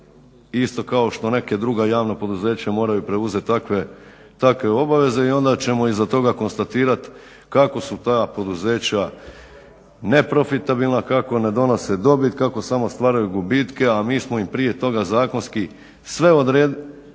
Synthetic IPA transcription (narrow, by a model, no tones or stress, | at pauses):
ist̪o̞kao̞ʃt̪o̞ne̞ke̞d̪ɾuɡajaːʋnapo̞d̪uze̞ːt͡ɕamo̞ːɾajupɾe̞uze̞t̪ːakʋe | t̪akʋe̞o̞baʋe̞ze̞io̞nd̪at͡ɕe̞mo̞izat̪o̞ɡako̞nst̪at̪iːɾat̪ | kako̞sut̪aːpo̞d̪uze̞ːt͡ɕa | ne̞pɾo̞fit̪abilˠnakako̞ne̞d̪o̞no̞sed̪o̞bit̪kako̞samo̞st̪ʋaːɾajuɡubit̪ke̞amiːsmoimpɾije̞t̪o̞ɡazaːko̞nski | sʋe̞o̞d̪ɾeːd̪